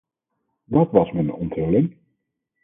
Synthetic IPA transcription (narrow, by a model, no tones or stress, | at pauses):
dɑtʋɑsmənɔntɦɵlɪŋ